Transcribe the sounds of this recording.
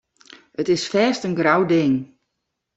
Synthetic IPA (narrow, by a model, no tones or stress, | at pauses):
ətɪsfɛːstənɡrawdɪŋ